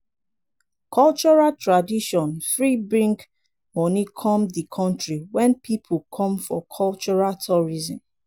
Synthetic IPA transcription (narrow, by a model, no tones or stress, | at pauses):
kʰɔlt͡ʃɔɹaltʰɹadiʃɔ̃nfɹibɹĩŋk | mɔnikʰɔ̃mdikʰɔ̃ntɹiwɛ̃npʰipʰukʰɔ̃mfɔkʰɔlt͡ʃɔɹaltʰɔɹizɔ̃m